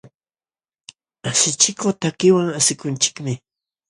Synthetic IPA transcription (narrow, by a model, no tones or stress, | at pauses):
asɪt͡ʃɪkot̪akɪwaŋasɪkʊnt͡ʃɪ̥kmɪ